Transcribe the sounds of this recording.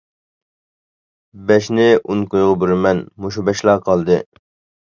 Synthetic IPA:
bɛʃnɪunkojʁɑbyɾmɛnmoʃ̬ubɛʃlˠɑːqʰɑlˠd̪ɨ

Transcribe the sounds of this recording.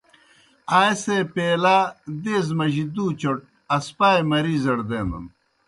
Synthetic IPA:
aːjsepeːlaːd̪eːz̬mɐʑid̪uːt͡ɕoʈ̚ | ɐspaːjmɐɾiːzɐɽd̪eːnṵn

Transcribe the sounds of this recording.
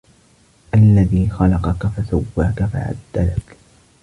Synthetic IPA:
ʔalːaðiːxɑlɑqɑkafasawːaːkafa̰ʕa̰d̪ːalak

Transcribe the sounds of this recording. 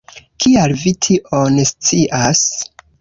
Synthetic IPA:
kʰialvitʰiʔonest͡siʔas

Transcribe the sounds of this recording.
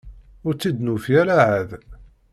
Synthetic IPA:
ʊɾt͡sːid̪nufjæɾaʕæð

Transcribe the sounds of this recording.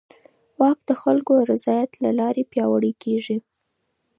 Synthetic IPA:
wɑkd̪̥əxalkoɾɪzɑjat̪lalɑɾepjɑwəɽekeʐi

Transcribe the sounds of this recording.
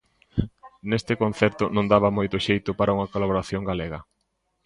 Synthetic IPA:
nest̪ɪkõnθɛɾt̪ʊnõŋd̪aβɐmojt̪ʊʃejt̪ʊpaɾauŋɐkolaβoɾaθjoŋɡaleɣɐ

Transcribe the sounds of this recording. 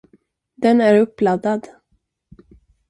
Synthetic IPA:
d̪ɛnæɾɵpːlad̪ːad̪

